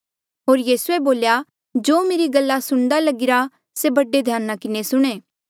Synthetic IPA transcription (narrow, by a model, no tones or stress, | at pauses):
ɦoːɾjiːsueboːlja | d͡ʒoːmeːɾiɡɐlːasʊɽ̃d̪alɐɡɪɾa | sebɐɖed̪ʱjaːnːakɪnesʊɽ̃eː